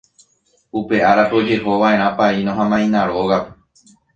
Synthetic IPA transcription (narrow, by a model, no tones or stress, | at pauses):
upe̞ʔaɾapo̞d͡ʒe̞ɦo̞ʋaẽ̞ɾ̃ãpainõɦãmãĩnãɾo̞ɣap